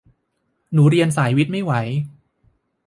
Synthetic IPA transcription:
nuː˩˦ɾi˧ənsaː˩˦jwi˦˥t̪̚ma˥˩jwa˩˦j

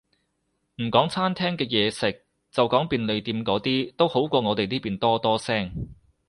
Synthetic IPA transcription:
m̩˨˩kɔː˨˥ŋt͡sʰaː˥nt̪ʰɛː˥ŋkɛː˧jɛː˨˧sɪ˨k̚ | t͡sɐ˨wkɔː˨˥ŋpiː˨nle˨˧jt̪iː˧mkɔː˨˥t̪iː˥t̪o˥who˨˥wkʷɔː˧ŋɔː˨˧t̪e˨jniː˥piː˨˩nt̪ɔː˥t̪ɔː˥sɛː˥ŋ

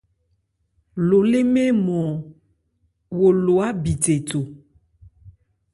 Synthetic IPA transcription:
lo˨le˦mẽ˦mɔ̃˨ | wo˨lo˨a˦bi˨te˨to˨

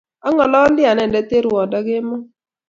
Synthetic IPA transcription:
ɔ˦ŋɔ˨lɔ˦ndɪ˦a˨nɛ˨ndɛ˨˦t̪e˦ɾwɔ˨dɔ˦ɡɪ˦mɔ˦

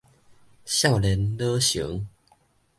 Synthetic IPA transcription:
ɕja˥˨ʊlɛ˨˦nlɤ˦ɕṵ˨˦ŋ

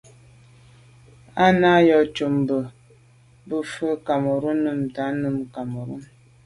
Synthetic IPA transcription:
a˦na˦jɔ˨t͡ʃu˨m˨bə˨ | bə˦fə˦ka˨mo˨ɾu˦nɨ˦mta˨˦nɨ˦mka˨mo˨ɾṵ˦m

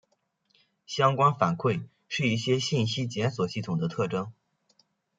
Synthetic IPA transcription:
ɕjɑ˥ŋkwa˥nfa˨˩nkʰwe˥˩ɪ | ʂɻ̩˥˧i˥˩ɕjɛ˥ɕi˥˩nɕi˥t͡ɕjɛ˧˥nswɔ˨˩ɕi˥˩t̪ʰʊ˨˩ŋd̪ə˦t̪ʰɤ˥˩ʈ͡ʂɤ˥ŋ

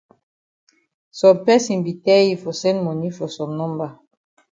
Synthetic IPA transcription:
sɔ̃˨mpɛ˦sĩ˨nbi˨tɛ˦ji˨fɔ˨sɛ̃˦nmɔ˨ni˦fɔ˨sɔ̃˨mnɔ̃˦mba˨

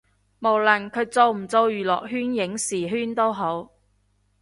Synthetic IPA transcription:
mo˨˩wlɐ˨˩nkʰɵ˨˧ɥt͡so˧wm̩˨˩t͡so˧wjyː˨˩lɔ̰ː˨k̚ɦyː˥njɪ˨˥ŋsiː˨˩ɦyː˥nt̪o˥wɦo˨˥w

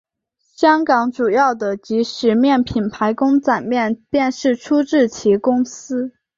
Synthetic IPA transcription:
ɕjɑ˥ŋkɑ˧˥ŋʈ͡ʂu˨˩jɑ˥˩ʊd̪ə˩t͡ɕi˧˥ʂɻ̩˨˩mjɛ˥˩npʰi˨˩npʰa˧˥ɪkʊ˥ŋt͡sa˨˩nmjɛ˥˧npjɛ˥˧nʂɻ̩˥˩ʈ͡ʂʰu˥ʈ͡ʂɻ̩˥˩t͡ɕʰi˧˥kʊ˥ŋsɹ̩˥

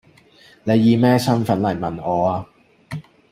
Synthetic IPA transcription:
ne˨˧jːiː˨˧mɛː˥sɐ˥nfɐ˨˥nlɐ˨˩jmɐ˨˩nɔː˨˧aː˧

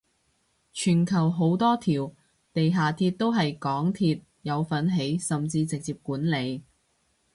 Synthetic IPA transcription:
t͡ʃʰyː˨˩nkʰɐ˨˩wɦo˨˥wt̪ɔː˥t̪ʰiː˨˩w | t̪e˨jɦaː˨˩t̪ʰiː˧t̚t̪o˥wɦɐ˨jkɔː˨˥ŋt̪ʰiː˧t̚ | jɐ˨˧wfɐ˨˥nɦe˨˥jsɐ˨mt͡siː˧t͡sɪ˨k̚t͡siː˨p̚kuː˨˥nle˨˧j

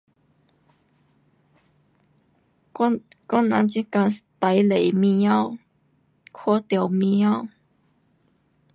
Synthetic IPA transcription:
kɔ˦˥nã̰˧˦nt͡ɕi˦˥ka˧st̪a˨˦jle˨jmĩ˧jã˦˨w | kʰo˦t̪jo˧˨wmĩ˧jã˦˨w

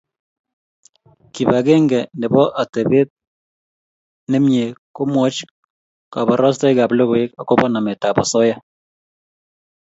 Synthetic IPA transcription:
ki˨ba˨ɡe˦ŋɡɛ˨nɪ˨bɔ˦ʔa˨te˨be˦t̪̚ | nɪ˦mɲe˨ko˦mwɔ˦t͡ʃ | ka˨ba˨ɾɔ˦s̬tɔ˦jka˨blo˦kwe˦ka˨ko˦bɔ˦na˨me˨ta˨bɔ̰˨sɔ˦ja˦

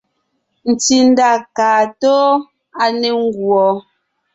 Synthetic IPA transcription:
n̩˨ti˨n̩˦da˦˨kaː˨to˦ | a˨ne˨ŋ̩˦ɡwɔ˨˦

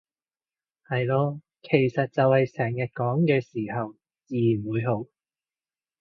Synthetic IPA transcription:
hɐ˨jlɔː˧ | kʰe˨˩jsɐ˨t̚t͡sɐ˨whɐ˨jsɛː˨˩ŋjɐ˨t̚kɔː˨˥ŋkɛː˧siː˨˩hɐ˨w | t͡siː˨˩jnwuː˨˧jɦo˨˥w

